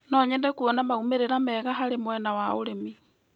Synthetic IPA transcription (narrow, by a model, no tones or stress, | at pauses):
nɔɲɛndɛkuɔnamaumeɾeɾamɛɣaɦaɾemwɛnawaoɾemi